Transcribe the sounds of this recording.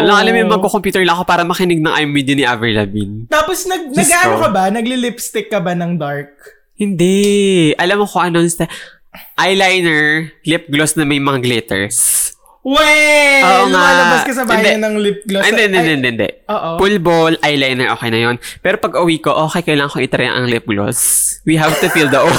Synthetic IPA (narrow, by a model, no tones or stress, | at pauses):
ʔɐloŋʔɐlamjʊmɐɡkokompjuːt̪ɛɹlɐŋɐko̞paːɾɐmɐkɪnɪɡ̚nɐŋʔajmːid̪jɐnɪʔavɛɹlɐbḭnt̪aːposnɐɡ̚nɐɡaʔɐokɐbanɐɡlɪlɪpst̪ɪkːɐbanɐŋd̪aɹk̚ | hɪnd̪ɛʔɐlɐmɐkoʔɐnonsɐ | ʔajlajnɛɹlɪp̚ɡlosnɐmɐjmɐŋɡlɛt̪ɛ̰ɹs | wɛoːʔnŋaɐlɐbɐskɐsɐbanːhɐj̪ɛɲɐnɐŋlɪp̚ɡloɛnd̪ɛʔnd̪ɛnd̪ɛʔnd̪ɛʔɪnd̪ɛ̰ʔʔoːʔopulbolʔajlajnɛɹʔoːkɛjnɐjonpɛːɾopɐɡkːɐʔʊwiːko̞ʔoːxɛjkɐjlaːŋɐ̃ŋkoŋʔɪt̪ɾɐjɐ̰ŋʔɐ̰ŋlɪp̚ɡlo̰swiɦavt̪ʊfild̪ɐʔo